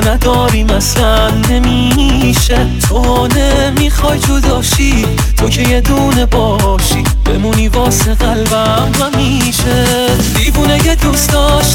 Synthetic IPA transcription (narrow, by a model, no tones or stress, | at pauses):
næd̪ɒːɾiːmæslænːe̞miː | ʃe | t̪ʰoːne̞miːxɒːjd͡ʒ̪ʰod̪ɒːʃi | t̪ʰo̞cʰe̞je̞d̪uːne̞bɒː | ʃiː | b̥e̞̰muniːvɒːseɣælvæ | mvæmi | ʃe | d̪̥iːbuːneje̞d̪uːsd̪ɒʃ